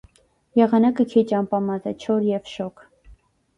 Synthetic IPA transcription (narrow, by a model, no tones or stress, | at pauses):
jɛʁɑnɑkəkʰit͡ʃɑmpɑmɑzɛt͡ʃʰɔɾjɛvʃɔkʰ